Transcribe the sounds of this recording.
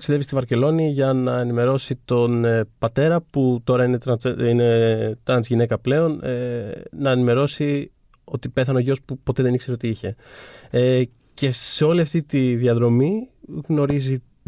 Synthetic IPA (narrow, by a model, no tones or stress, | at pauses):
ksiðevist̪ivɐɾce̞lo̞niʝɐnɐenime̞ɾo̞sit̪o̞npɐt̪e̞ɾɐput̪o̞ɾɐinet̪ɾɐine̞t̪ɾɐnt̪izʝine̞kɐple̞o̞nnɐenime̞ɾo̞si | o̞t̪ipe̞θɐnoʝospupot̪e̞ðe̞nikse̞ɾeot̪iiçe̞e | ce̞se̞o̞liɐft̪it̪iðiɐðɾo̞miɣno̞ɾizi